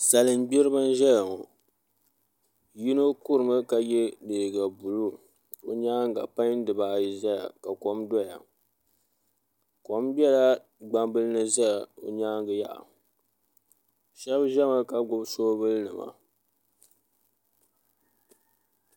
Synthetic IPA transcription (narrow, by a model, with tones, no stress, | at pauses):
sa˨lɨ˨m˦ɡ͡bi˦ɾɨ˦ba˦n˦ʒɛ˦ja˨ŋɔ˨ | ji˦no˦ku˦ɾɨ˨mɨ˦ka˨jɛ˦deː˨ɡa˨bu˨lu˦ | o˨ɲaː˦ŋ˦ɡa˨pa˦ɲ˦n˦dɨ˨baː˨i˨za˦ja̰˨ka˨ko˦mdɔ˦ja̰˨ | ko˨˦mbʲɛ˦la˦ | ɡ͡ba˦mbɨ˦lɨ˦nɨ˦za˦ja˨o˨ɲaː˦ŋɡɨ˨ja̰˦˨ʔa̰˨ | ʃɛ˦bʒɛ˦ma˦ka˨ɡʊ˦bsoː˦bɨ˦lnɨ˨ma̰˨